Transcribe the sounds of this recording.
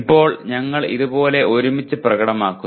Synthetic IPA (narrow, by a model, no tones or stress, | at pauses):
pːo̞ːɭɲɐŋːɐɭḭðubo̞ːle̞ʔo̞ɾumit͡ɕːɨprɐɣɐɽɐmaːkːu